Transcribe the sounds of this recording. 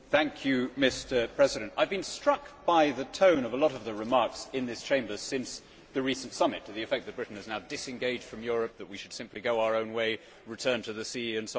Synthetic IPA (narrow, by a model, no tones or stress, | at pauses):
θæ̃ŋkʰjʉmɪstə˞pʰɹ̥ɛzɨɾɨ̃ntaɪvbɨ̃nstɹ̥ʌkb̥aɪðɨtʰõʊ̃nʌvəlɔɾʌvðɨɹɨmɑɹksɨ̃nðɪst͡ʃʰẽɪ̃mbə˞sɪ̃ns | ðɨɹisn̩tsʌmɨtʰɨðiɨfɛk̚ðɨt̚b̥ɹɪʔn̩ɨznaʊdɪsɨ̃nɡeɪd̥ʒ̥d̥fɹʌ̃mjʊɹɨp̚ðət̚wiʃɨd̥sɪ̃mpliɡoʊaʊə˞õʊ̃nweɪ | ɹɨtʰɜ̃˞ntʰɨðɨsiɨ̃nso